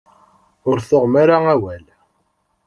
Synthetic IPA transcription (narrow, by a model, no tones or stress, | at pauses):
ʊɾθoʁmaɾaæwæl